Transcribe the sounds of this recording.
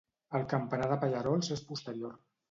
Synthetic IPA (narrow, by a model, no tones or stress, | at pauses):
əlˠkəmpənaðəpaʎəɾɔlˠzespust̪əɾior